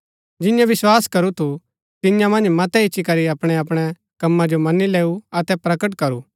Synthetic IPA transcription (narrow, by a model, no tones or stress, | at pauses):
d͡ʒɪ̃jãʋɪswaːskɐɾut̪ʰu | t̪ɪjãmɐ̃nd͡ʒmɐt̪ɛɪːʃikɐɾiɐpɽ̃ɛɐpɽ̃ɛ | kɐmːad͡ʒomɐnileːuɐt̪ɛpɾɐkəʈkɐɾu